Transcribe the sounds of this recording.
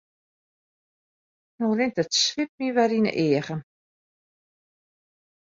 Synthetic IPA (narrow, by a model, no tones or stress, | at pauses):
norɪŋtətsʋɪp̚miʋɛɾinə̰ʔɪəɣən